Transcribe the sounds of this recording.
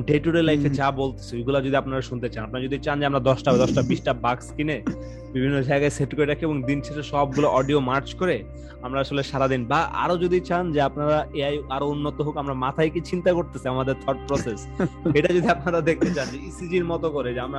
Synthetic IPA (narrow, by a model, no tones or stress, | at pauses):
ɖeʈuɾelajfʰed͡ʑabolt̪e̥sʰeejɡulad͡ʑod̪iapnaɾaʃunt̪et͡ɕanap̚naɾad͡ʑod̪it͡ɕand͡ʑeamɾad̪ɔʃʈabed̪ɔʃʈabiʃʈabakskine | bibʱinːod͡ʑaeɡajseʈkoɾed̪ɛkʰeeboŋd̪int͡ɕʰeʃeʃɔb̚ɡuloʔɔɖiomaɾt͡ɕkoɾe | amɾaaʃoleʃaɾad̪inbaʔa̰ɾod͡ʑod̪ʱit͡ɕand͡ʑeapnaɾaeajaɾounːot̪oɦokamɾamat̪ʰajket͡ɕint̪akoɾt̪esʰiamad̪eɾt̪ʰɔɾʈ̚pɾɔses | eʈad͡ʑod̪ʱiapnaɾad̪ek̚ʰt̪et͡ɕand͡ʑeisid͡ʑiɾmɔt̪okoɾed͡ʑeamɾa